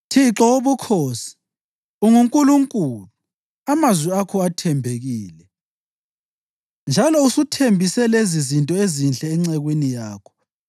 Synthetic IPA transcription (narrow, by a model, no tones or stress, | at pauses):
tʰiǁɔoβukʰoːsi̥ | uŋuŋkʼuluŋkʼulu | amazwiakʰɔatʰɛmbʱeɣiːlɛ | nd͡ʒʱalɔusutʰembʱisɛlezizintʼɔezinɬɛːŋ͡ǀɛɣwinijaːkʰɔ̥